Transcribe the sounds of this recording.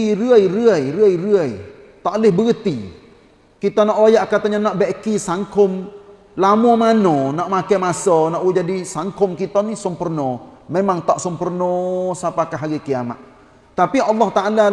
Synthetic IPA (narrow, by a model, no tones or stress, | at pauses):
iɾəəjɾəəjɾəəjɾəəj | t̪aʔlɪhbəɡət̪i | kit̪anɔʔwajaʔkat̪aɲanaʔbeʔkisaŋkʊm | lamɔmanɔnɔʔmakajmasɔnaʔwud͡ʒadisaŋkʊmkit̪anisəmpərnɔ | memaŋt̪aʔsəmpərnɔsapakaɦaɾikiama̰ʔ̚ | t̪apiɑlːɔht̪aala